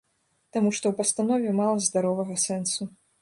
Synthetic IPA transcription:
t̪amuʂt̪ɔwpɐst̪anɔvʲɛmalˠɐzd̪aɾɔvɐɣɐsɛnsu

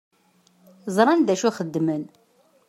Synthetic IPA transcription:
zˤɾˤɑnðæʃuχəd̪ːmən

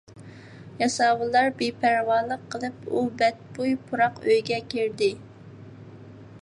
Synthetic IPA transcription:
jɑsɑːwɨlˠːɑɾbepʰæɾwɑlˠːəqʰːəlˠɨpubɛt̪̚bujpʰuɾɑqøjɡʲɛkʲʰiɾd̪ɪ

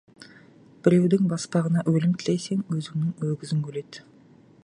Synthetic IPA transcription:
b̥ɪɾe̞wd̪ɪŋbɑspɑʁənɑʔwɵlɪmt̪ʰɪlejse̞ŋwɵzɪmnɪŋwɵɡʲɪzɪŋkʰʲɵle̞t̪

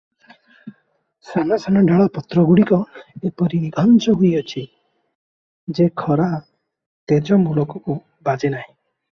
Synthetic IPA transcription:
sanasanɔɖaɭapɔt̪ɾɔɡuɽikɔepɔɾiniɡʱɔnt͡ʃɔɦujɔt͡ʃʰi | d͡ʒekʰɔɾa | t̪ed͡ʒɔmulɔkɔku | bad͡ʒenaɦĩ

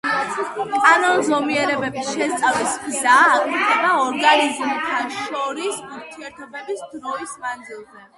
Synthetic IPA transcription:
kʼanɔnzɔmiɛɾɛbɛbsʃɛst̪sʼavismzaːkʼiɾd̪ɛbaɔɾɡanizmt̪ʰaʃɔɾisuɾt̪ʰiɛɾt̪ʰɔbɛbisd̪ɾɔismand̪zilˠzɛ

